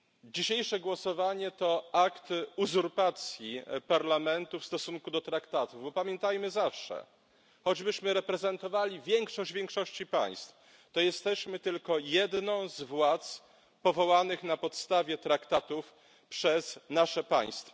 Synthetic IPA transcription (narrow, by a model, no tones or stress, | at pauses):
d͡ʑiɕejʂɛɡwɔsɔvaɲɛt̪ɔakt̪uzuɾpat̪sʲjipaɾlamɛnt̪ufst̪ɔsuŋkud̪ɔt̪ɾakt̪at̪uvbɔpamʲjɛnt̪ajmɘzafʂɛ̰ | xɔd͡ʑbɘɕmɘɾɛpɾɛzɛnt̪ɔvalʲivʲjɛŋkʂɔɕd͡ʑvʲjɛŋkʂɔɕt͡ɕipa̰j̃st̪f | t̪ɔjɛst̪ɛɕmɘt̪ɘlkɔjɛd̪nɔ̃w̃zvwat̪s | pɔvɔwanɘxnapɔt̪st̪avʲjɛt̪ɾakt̪at̪uf | pʂɛznaʂɛpa̰j̃st̪fɔ